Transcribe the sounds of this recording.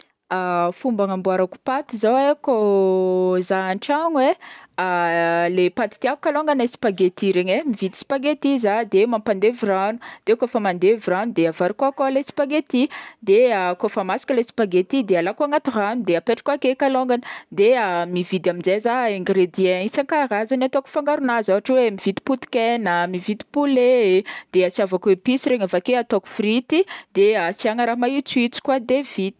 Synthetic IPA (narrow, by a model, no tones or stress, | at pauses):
afumbaŋambuaɾaku̥pat̪izaweko | zaaɳʈ͡ʂaŋwealepat̪i̥t̪iaku̥kaloŋɡanasi̥paɡet̪iɾeɲemivid̪i̥si̥paɡet̪izad̪emampand̪eviranud̪̥ekofamand̪eviɾanud̪eavaɾikakoalesi̥paɡet̪id̪eakofamasi̥kʲalesi̥paɡet̪id̪ealakuaŋat̪iranud̪eapeʈ͡ʂḁkuakekaloŋɡani̥d̪eamivid̪amind͡zezaeŋɡɾed̪iẽisaŋkarazanat̪oku̥faŋɡaɾunazavaʈ͡ʂwemivit̪i̥put̪i̥kenəmivit̪i̥puled̪̥easiavakepisiɾeɲafakeat̪oku̥frit̪id̪easiaŋaɾamait͡suit͡si̥kwad̪evit̪i̥